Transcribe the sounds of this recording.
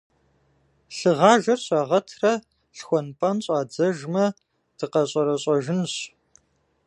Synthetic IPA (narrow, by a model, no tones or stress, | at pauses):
ɬɨʁɑːʒɐrɕʼaːʁɐtʰrɐ | ɬxʷɔnpʼɐnɕʼaːd͡zɐʒmɐ | d̥ɨqɐɕʼɐɾɐɕʼɐʒɪnɕ